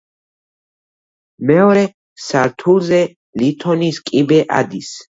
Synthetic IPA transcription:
mɛɔɾɛ | saɾt̪ʰulzɛ | lit̪ʰɔniskʼibɛʔa̰d̪is

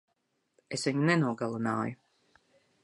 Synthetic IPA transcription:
esvʲiɲunɛnuɔɡalˠuna̰ːju

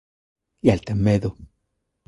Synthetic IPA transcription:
jalt̪emeðo

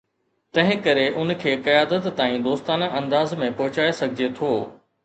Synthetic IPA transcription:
t̪ɐ̃ɦɪ̃kɐɾeʔʊnkʰeːqɐjaːd̪ət̪ːaːĩd̪oːst̪aːnʔɐ̃nd̪aːzmẽpɔɦʊt͡ɕaːesɐɡʱɪd͡ʑet̪ʰoː

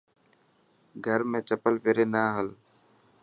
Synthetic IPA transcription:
ɡʱəɾmẽːt͡ʃəpəlpeːɾeːnaːɦəl

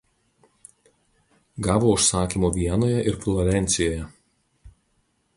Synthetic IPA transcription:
ɡɑːʋoːʊʃsɑːkʲiːmoːʋʲiɛnoːjɛʔɪɾflˠɔɾʲɛnʲt̪sʲɪjoːjɛ

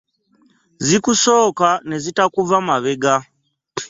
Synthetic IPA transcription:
zikusokanezitakuvamaʋeɡa

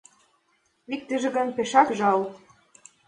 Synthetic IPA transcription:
ik̚t̪ə̆ʒĕɣə̆npeʃɑkʒɑlt̪

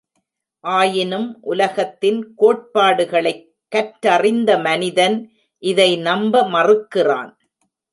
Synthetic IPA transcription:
ʔaːjɪnɯmʔʊlɐɣɐt̪ːɪnkoːʈ̚paːɽɯɣɐɭɐɪ | kːɐʈɐrɪnd̪ɐmɐnɪðɐn | ʔɪðɐɪnɐmbɐmɐrɯkːɪra̰ːn

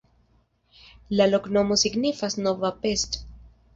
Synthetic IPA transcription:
laloknomosiɡnifasnovapest̪

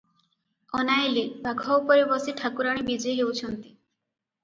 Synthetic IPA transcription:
ɔnajlebaɡʱɔwpɔɾebɔsiʈʰakuɾaɽ̃ibed͡ʒeɦewt͡ʃʰɔnt̪i̥

